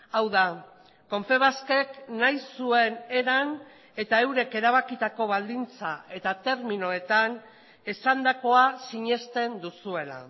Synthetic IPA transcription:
awða | ko̞ɱfe̞β̞aske̞knajsue̞ne̞ɾan | e̞t̪ae̞wɾe̞ke̞ɾaβ̞akit̪ako̞βald̪int͡sa̰e̞t̪at̪e̞ɾminoe̞t̪an | esand̪ako̞asiɲe̞st̪e̞nd̪usue̞la̰

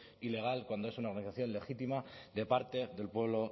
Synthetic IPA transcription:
ile̞ɣ̞alkwand̪oesunaoɾɣaniθaθjo̞nle̞xit̪imaðe̞paɾt̪e̞ðe̞lpwe̞β̞lo̞

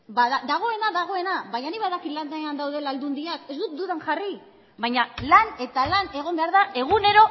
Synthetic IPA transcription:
baðad̪aɣ̞o̞e̞naðaɣ̞o̞e̞naβajɲaniβaðakiland̪aeand̪awðe̞lald̪und̪iake̞zd̪ut̪d̪uðaŋʝari | βajɲalane̞t̪alane̞ɣ̞o̞mbe̞aɾðae̞ɣ̞une̞ɾo̞

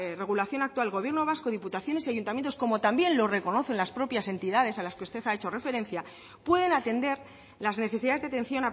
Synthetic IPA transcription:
re̞ɣ̞ulaθjo̞nakt̪walɣ̞o̞β̞je̞ɾno̞β̞asko̞ðiput̪aθjo̞nesiaʝunt̪amjent̪osko̞mo̞t̪ambje̞nlo̞re̞ko̞no̞θe̞nlaspɾo̞pjase̞nt̪iðaðe̞salaskeust̪e̞θae̞t͡ʃo̞re̞fe̞ɾẽ̞n̟θja | pwe̞ð̞e̞nat̪e̞nd̪e̞ɾ | lazne̞θe̞siðaððat̪ẽ̞nθjo̞na

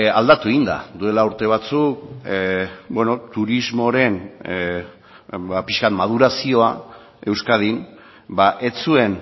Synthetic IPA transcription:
ald̪at̪ueɣind̪a̰d̪ue̞lauɾt̪e̞β̞at͡suk̚ | bweno̞t̪uɾizmo̞ɾe̞n | bapiskat̪mað̞uɾasio̞a | e̞wskað̞in | baʔe̞t͡sue̞n

